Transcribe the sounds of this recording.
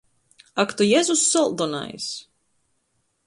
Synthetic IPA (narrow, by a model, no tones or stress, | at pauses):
akt̪ujɛzusːɔlˠd̪ɔna̰js